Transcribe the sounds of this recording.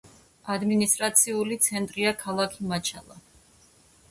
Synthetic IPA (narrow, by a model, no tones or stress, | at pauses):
ad̪minist̪ʼɾat̪sʰiulit̪sʰɛnt̪ʼɾiakʰalˠakʰimat͡ʃʰa̰lˠa̰